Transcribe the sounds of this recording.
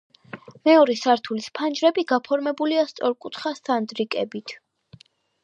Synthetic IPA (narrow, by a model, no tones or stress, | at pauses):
mɛɔɾɛsaɾt̪ʰulispʰand͡ʒɾɛbiɡapʰɔɾmɛbuliast̪sʼɔɾkʼut̪ʰχast̪ʰand̪ɾikʼɛbit̪ʰ